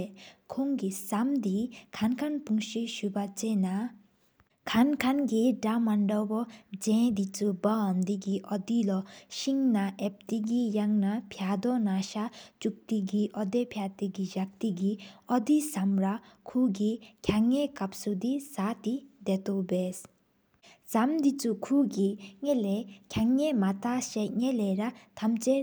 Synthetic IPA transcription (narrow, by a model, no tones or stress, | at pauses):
kʰoŋɡisamd̪ikʰankʰanpuŋʃiʃubat͡sena | kʰankʰanɡiɖamaɳɖɔbɔd͡zẽd̪it͡subɔːmd̪iɡiʔɔd̪ilɔʃiŋnaʔep̚t̪iɡijaŋnapʰjad̪ɔnaʃat͡ʃuk̚t̪iɡiʔɔd̪epʰjat̪iɡid͡ʒɐk̚t̪iɡiɔd̪isɐmɾakʰuɡikʲʰaŋːekɐpsud̪isat̪id̪et̪obes | samd̪it͡sukʰuɡiŋelekʰjaŋemat̪aseŋeleɾat̪ʰɐmt͡se